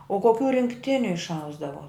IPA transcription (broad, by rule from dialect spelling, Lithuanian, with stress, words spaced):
oː koːˈkʲuː rʲɪŋkˈtʲɪnʲʊ ɪʃˈɐʊzdɐʋoː